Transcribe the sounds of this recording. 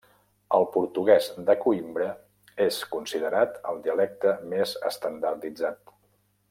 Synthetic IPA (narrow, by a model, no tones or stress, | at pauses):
əlˠpuɾt̪uɣ̞ɛzd̪əkuimbɾə | eskunsiðəɾat̪ə̰lˠd̪iəlɛk̚t̪əmezə̰st̪ənd̪əɾt̪id͡zat̪